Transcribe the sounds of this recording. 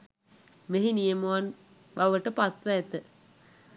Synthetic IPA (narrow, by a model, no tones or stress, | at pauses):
meɦinijəmuʋan | baʋəʈəpat̪ʋɐːt̪ə